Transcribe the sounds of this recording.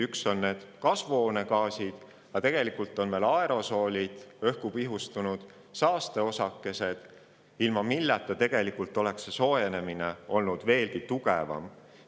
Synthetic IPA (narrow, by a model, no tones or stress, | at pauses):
ykso̞nːe̞ːd̪̥kɑsvoːne̞kɑːsid̪̥ | jɑt̪e̞ɡ̥e̞likult̪ːˑo̞nve̞ːlɑe̞ɾo̞so̞ːlʲid̪̥ø̞hkupiɦust̪unud̪̥ | sɑːst̪e̞o̞sɑkːˑe̞se̞d̪̥ | ilmɑmilːet̪ːˑɑt̪e̞ɡ̥e̞likult̪ːˑo̞le̞kseso̞ːjene̞mineo̞lnud̪̥ve̞ːlɡ̥it̪uɡ̥e̞̰vɑ̰m